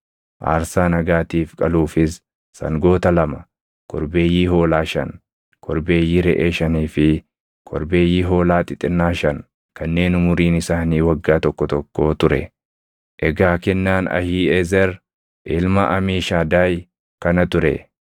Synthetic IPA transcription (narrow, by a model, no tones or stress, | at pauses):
ʔa̰ːɾsaːnɐɡaːt̪iːfkʼɐluːfɪs | sɐ̰ŋɡo̞ːt̪ɐlɐmɐ | kʰɔɾbe̞ːjːiːɦo̞ːlaːʃɐn | kʰɔɾbe̞ːjːiːɾɛʔeːʃɐniːfɪ | kʰɔɾbe̞ːjːiːɦo̞ːlaːt̪ʼɪt̪ʼɪnːaːʃɐn | kɐnːe̞ːnʊmʊɾiːnɪsaːniːwɐɡːaːt̪ɔkːɔt̪ɔkːo̞ːt̪ʊɾɛ̰ | ʔɛɡaːkɛnːaːnɐ̰hiːɛzɛɾ | ʔɪlmɐʔɐmiːʃaːd̪aːj | kɐnɐt̪ʊɾɛ̰